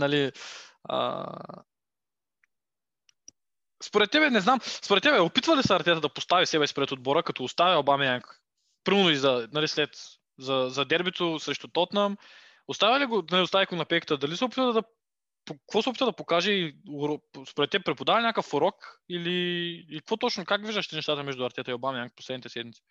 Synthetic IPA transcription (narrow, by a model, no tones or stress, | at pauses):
nɐli | ə̰ | spoɾɛt̪ːɛbɛnɛznamspoɾɛt̪ːɛbɛopit̪vɐlisəɐɾt̪ʲɛt̪əd̪ɐpost̪avisɛbɛspɾɛt̪od̪̚bɔɾəkɐt̪ɔːst̪aviɐbamɛnak | pɾinoizɐnɐlislɛt̪ | zɐzɐd̪ɛɾbit̪osɾɛʃt̪ot̪ɔt̪nəm | ost̪avʲɐliɡonɐlʲiost̪avʲikonɐpɛjkət̪əd̪ɐlisɛopit̪vəld̪ɐ | pokvɔsɛopit̪vd̪ɐpokaʒɛiʊɾɔspoɾɛt̪ːɛbɛpɾɛpod̪avɐnʲjakəfʊɾɔkiliiikɐkvɔt̪ɔt͡ʃnokaɡviʒd̪əʃt̪ɛnɛʃt̪at̪əmɛʒd̪ʊɐɾt̪ɛt̪əiobamɛaŋkposlɛd̪nit̪ɛsɛd̪mit̪si̥